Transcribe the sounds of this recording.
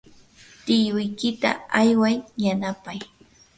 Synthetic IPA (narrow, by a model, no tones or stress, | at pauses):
t̪ɪjʊjkɪt̪a̰ajwajːanapaj